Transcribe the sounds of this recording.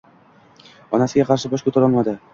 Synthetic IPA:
ɒnasɪɡʲaqʰɑɾʃɪbɒʃkʰɵt̪ʰaɾɒlˠmad̪ɪ

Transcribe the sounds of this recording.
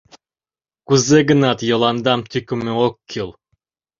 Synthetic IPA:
kuzeɡə̆nɑt̪jŏlˠɑnd̪ɑmt̪ʰykmɘokʲʰːilˠ

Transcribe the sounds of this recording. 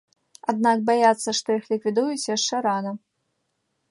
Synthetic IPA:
ad̪̚nak̚bajat̪sːɐʂt̪ɔjixlʲikvʲid̪ujut͡sʲjaʂt͡ʂɛɾanɐ

